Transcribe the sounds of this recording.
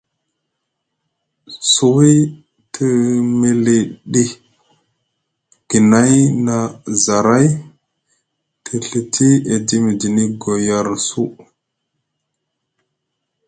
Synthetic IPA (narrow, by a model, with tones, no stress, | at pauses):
su˦˨wi˦ | tʰə˦me˨li˨ɗi˦ | ɡ̥i˨na˦jna˨za˨ɾa˦j | tʰi˨ɬi˨tʰi˦e˨di˦mi˨di˨ni˦ɡo˨ja˨ɾsu˦